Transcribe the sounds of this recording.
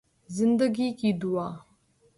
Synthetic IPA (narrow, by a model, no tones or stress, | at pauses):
zind̪əɡikid̪uwa